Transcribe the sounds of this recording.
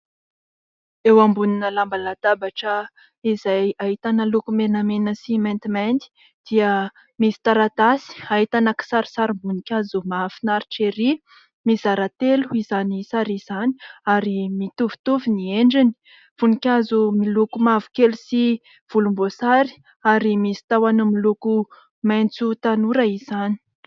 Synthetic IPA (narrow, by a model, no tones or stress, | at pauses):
ewambuninəlambalat̪abaʈ͡ʂə | izajaɦit̪anəlukumenamenəsimɛnt̪imant̪i̥ | d̪̥iə | misi̥t̪aɾat̪asi̥aɦit̪anaki̥saɾi̥saɾimbunikʲazumafinaɾiʈ͡ʂeɾi | mizaɾat̪eluiz̥anisaɾiz̥ani̥aɾimit̪uvu̥t̪uvinieɳɖ͡ʐini̥ | v̥unikʲazumilukumavu̥kelusi | v̥ulumbosaɾi̥ | aɾimisi̥t̪awanamiluku | majnt͡sut̪anuɾaiz̥ani̥